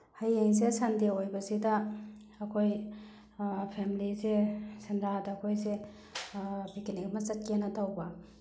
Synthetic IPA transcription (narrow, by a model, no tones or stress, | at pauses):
hajeŋsesandeojbɐzidɐː | kʰoj | pʰemilizesendadaːkʰojze | bikiniɡmɐt͡ʃɐt̚kenːɐtawbɐ